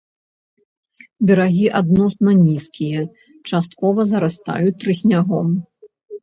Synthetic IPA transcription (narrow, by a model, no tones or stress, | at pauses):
bʲɛɾaɣʲiʔad̪nɔsnɐnʲiskʲijɐ | t͡ʂast̪̚kɔvɐzɐɾast̪a̰jut̪ːɾɨsʲnʲaɣɔm